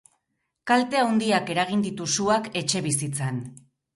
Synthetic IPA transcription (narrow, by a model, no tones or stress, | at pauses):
kalt̪e̞awnd̪iake̞ɾaɣ̞ind̪it̪usuake̞t͡ʃe̞βisit͡san